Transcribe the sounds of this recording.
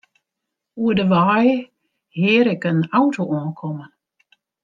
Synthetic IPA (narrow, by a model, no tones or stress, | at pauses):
uədəʋaːjə | hɪːɾɛkənawtʰoɔ̃ːnkʰɔmən